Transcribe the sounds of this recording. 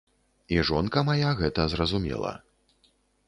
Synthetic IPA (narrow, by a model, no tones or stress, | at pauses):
iʐɔnkɐmajaɣɛt̪ɐzrɐzumʲɛ̰lˠɐ̰